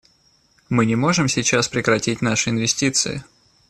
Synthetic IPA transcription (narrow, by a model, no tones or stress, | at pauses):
mɨnʲɪmo̞ʐɨmsʲɪt͡ɕaspɾʲɪkɾɐtʲitʲnaʂɨɪnvʲɪsʲtʲit̪sɨ̰ɪ̰